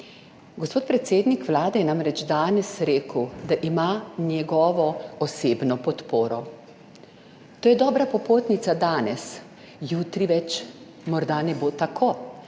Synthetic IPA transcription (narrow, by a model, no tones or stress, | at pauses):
ɡɔspoːt̪̚pɾɛt̪seːd̪nikʋlaːd̪ɛjɛnamɾɛt͡ʃd̪aːnɛsɾeːkəwd̪aʔimanʲjɛɡɔːʋɔɔseːbnɔpɔt̪poːɾɔ | t̪oːjɛd̪ɔːbɾapɔpoːt̪nit̪sad̪aːnɛs | juːt̪ɾiʋɛt͡ʃ | mɔɾd̪anɛbot̪akʰoː